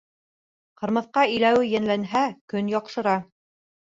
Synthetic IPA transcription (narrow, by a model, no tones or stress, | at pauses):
qɤ̆ɾmɤ̆θqɑĭjlæwɘjænlænɦækɵnjɒqʃɤ̆ɾɑ